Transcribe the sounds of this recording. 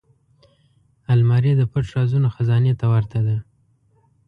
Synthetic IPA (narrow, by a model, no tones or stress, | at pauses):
almɑɾed̪əpaʈʂɑzunoxazɑnet̪awaɾt̪ad̪a